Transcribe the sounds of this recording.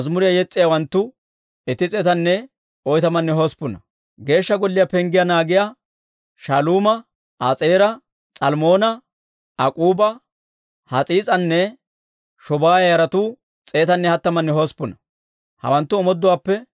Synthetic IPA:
ɐzmʊɾɪjɐjɛt͡sʼːɪjawɐnt̪ːʊ | ɛt̪ɪt͡sʼɛːt̪ɐnːɛ | ɔjt̪ɐmɐnːɛɦɔspːʊnɐ | ɡe̞ːʃːɐɡɔlːɪjɐpɛŋɡɪjanaːɡɪja | ʃɐluːmɐ | ʔaːt͡sʼeːɾɐ | t͡sʼɐlmo̞ːnɐ | ɐkʼuːbɐ | hɐt͡sʼiːt͡sʼɐnːɛ | ʃɔbaːjɐjɐɾɐt̪uː | t͡sʼeːt̪ɐnːɛhɐt̪ːɐmɐnːɛɦospʊnɐ | hɐ̰wɐnt̪ːʊɔmɔd̪ːʊwaːpːɛ

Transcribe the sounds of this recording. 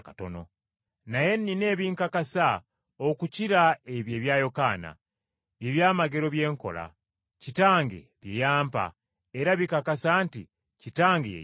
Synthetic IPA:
kato̞̰no̞̰ | naje̞nːine̞ːβiːŋkakasa | okuciɾaeβje̞βjaːjo̞kaːna̰ | βjeβjaːmaɡe̞ɾo̞βje̞ːŋko̞̰la̰ | citaːŋɡe̞̰βjejaːmpa̰ | eɾaβikakasaːntḭ | citaːŋɡejḛ

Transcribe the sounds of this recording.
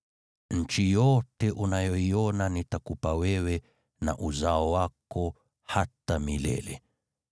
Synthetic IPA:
ɲ̩t͡ʃijɔtɛʔunajɔiɔnanitakupawɛwɛ | na̰ʔuzaɔwakɔ | hatamilɛ̰lɛ

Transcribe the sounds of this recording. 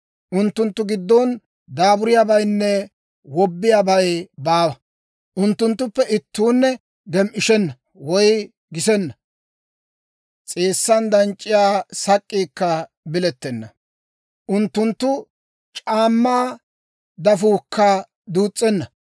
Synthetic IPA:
ʔʊnt̪ːʊnt̪ːʊɡɪd̪ːɔn | d̪aːbʊɾɪjaːbɐjnːɛ | wɔbːɪjaːbɐjbaːwɐ | ʔʊnt̪ːʊnt̪ːʊpːɛʔɪt̪ːuːnːɛ | ɡɛmʔɪʃɛnːɐ | wɔj | ɡɪsɛnːɐ | t͡sʼeːsːɐnd̪ɐnt͡ʃʼːɪjaːsɐkʼːiːkːɐ | bɪlɛt̪ːɛnːɐ | ʔʊnt̪ːʊnt̪ːʊ | t͡ʃʼaːmːaː | d̪ɐfuːkʰːɐ | d̪uːt͡sʼːɛnːɐ

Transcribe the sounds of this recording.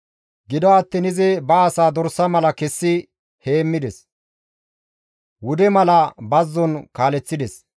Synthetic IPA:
ɡɪd̪ɔɐt̪ːiːnɪzɪbɐːsaːd̪ɔɾsːɐmɐlɐkɛsːɪ | he̞ːmːɪd̪ɛs | wʊd̪ɛmɐlɐbɐzːɔnkaːlɛt͡sːɪd̪ɛs

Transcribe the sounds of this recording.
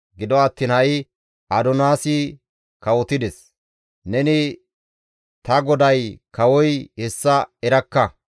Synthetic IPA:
ɡɪd̪ɔɐt̪ːiːnhɐɪ | ʔɐd̪ɔnaːsɪ | kɐwɔt̪ɪd̪ɛs | nɛnɪ | t̪ɐɡɔd̪ɐjkɐwɔjhɛsːɐɛɾɐkːɐ

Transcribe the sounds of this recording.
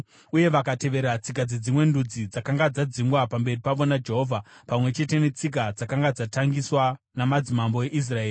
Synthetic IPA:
uje̞ʋakate̞ʋe̞ɾat͡sikad͡zed͡zimwe̞ndud͡zid͡zakaŋɡad͡zad͡ziŋɡwapambe̞ripaʋo̞nad͡ʒe̞ɦo̞vʱapamwe̞t͡ʃe̞te̞net͡sik̬ad͡zakaŋɡad͡zataŋɡiswa | namad͡zimambo̞e̞ʔis̬rae̞ːri

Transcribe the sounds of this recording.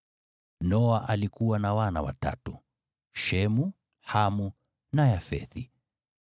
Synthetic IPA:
nɔaʔalikuwanawana̰wa̰ta̰tu | ʃɛmu | hamu | najafɛ̰θi

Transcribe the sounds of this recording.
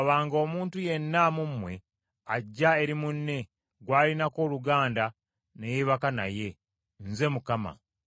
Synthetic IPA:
βaːŋɡo̞ːmuːntuje̞nːamumwe̞ | aɟːae̞ɾimunːe̞ | ɡwaːlinako̞ːluɡaːnda | nejiβakana̰je̞ | nze̞mukama̰

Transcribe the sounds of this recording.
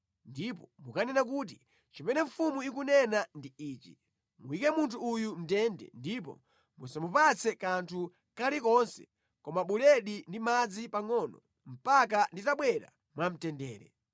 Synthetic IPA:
ndipɔmukanɛnak̬ut̬i | t͡ʃimɛnɛɱ̩fumuikunɛnandiiːt͡ʃi̥̰ | muikɛmuntʰuːjum̩tɛndɛ̰ndip̬ɔ̰ | musamupat͡sʰɛkantʰu | kalikɔnsɛ̥ | kɔmaɓulɛɗindimad͡zipaŋɔnɔ̰ | m̩pak̬anditaɓwɛɾa̰ | mwam̩tɛndɛːɾɛ̰

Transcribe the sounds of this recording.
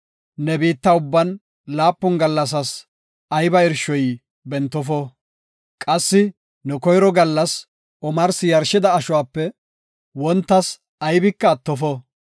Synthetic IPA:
nɛbiːt̪ːɐʊbːɐn | laːpːɔnɡɐlːɐs̬ɐs | ʔɐjbɐɪɾʃɔj | bɛnt̪ːɔfɔ | kʼɐsːɪ | nɛkɔjɾɔɡɐlːɐs | ɔmɐɾsɪjɐɾʃɪd̪ɐːʃʊwaːpːɛ | wɔnt̪ːɐs | ɐjbɪkːɐːt̪ːɔfɔ

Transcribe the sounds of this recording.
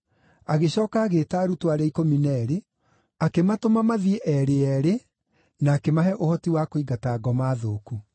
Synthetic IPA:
aɣeɕɔːkaːɣetaːɾutwaɾɛikominɛɾe | akematomamaðieʔɛɾeɛɾe | naːkemaɦɛʔohɔtiwakoiɣataːɡɔmaːðoːku

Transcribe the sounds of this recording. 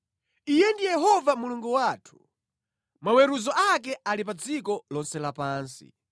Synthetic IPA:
ijɛndijɛɦɔvamuluŋɡuwatʰu̥ | mawɛɾuzɔʔakɛʔalip̬ad͡zikɔlɔnsɛlapaːnsḭ

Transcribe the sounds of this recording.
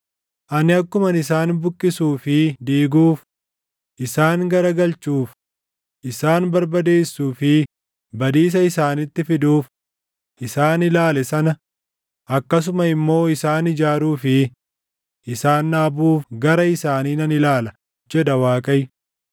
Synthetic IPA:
ʔɐnɪɐkːʊmɐnɪsaːnbʊkʼːɪsuːfɪd̪iːɡuːf | ʔɪsaːŋɡɐɾɐɡɐlt͡ʃuːf | ʔɪsaːnbɐɾbɐd̪e̞ːsːuːfɪ | bɐd̪iːs̬ɐɪsaːnɪt̪ːɪfɪd̪uːf | ʔɪsaːnɪlaːlɛsɐnɐ | ʔɐkːɐs̬ʊmɐɪmːo̞ːɪsaːnɪd͡ʒaːɾuːfɪ | ʔɪsaːnːaːbuːfɡɐɾɐɪsaːniːnɐnɪlaːlɐ | d͡ʒɛd̪ɐwaːkʼɐj

